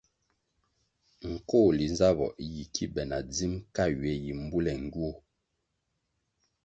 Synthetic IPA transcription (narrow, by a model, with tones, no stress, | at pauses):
ŋ̩˨koː˦˨li˨nza˦βɔ̰˨ʔi˦ji˨kʰi˦bɛ˨na˨d͡zi˦mka˦ɥɛ˨˦ji˨m̩˦bu˦lɛ˨ŋ˨ɡu˦o˦